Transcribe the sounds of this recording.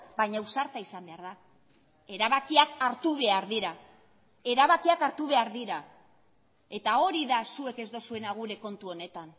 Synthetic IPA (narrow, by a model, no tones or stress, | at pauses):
bajɲausaɾt̪aisambe̞aɾða | e̞ɾaβakiakaɾt̪uβ̞e̞aɾðiɾa | e̞ɾaβakiakaɾt̪uβe̞aɾðiɾa | e̞t̪ao̞ɾiðasue̞ke̞zd̪o̞sue̞naɣ̞uɾe̞ko̞nt̪uo̞ne̞t̪an